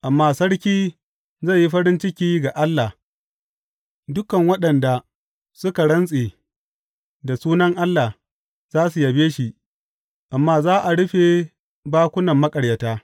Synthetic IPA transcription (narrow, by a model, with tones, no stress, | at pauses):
ʔa˨mːaː˦sɐ˦ɽkʲiː˦ | zɐ˦˨jji˦ɸɐ˦ɽɪ˦nt͡ʃɪ˦kʲiː˦ɡa˨ʔa˦lːa˨ | dʊ˦kɐ˨ŋwɐ˦ɗɐ˨nda˨ | sʊ˦ka˨ɽɐ˦nsʼe˨ | da˨suː˦nɐ˦ŋʔa˦lːa˨h | z̥aː˦s̬u˨jɐ˨beː˦ʃi˨ | ʔa˨mːaː˦zaː˦ʔa˨ɽʊ˦ɸe˨ | baː˦kʷʊ˦nɐ˨mːɐ˦kʼɐ˨ɽjɐ˨taː˦